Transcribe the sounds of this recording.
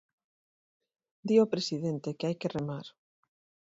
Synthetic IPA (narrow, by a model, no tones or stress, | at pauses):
d̪iopɾesiðent̪ekeajkeremaɾ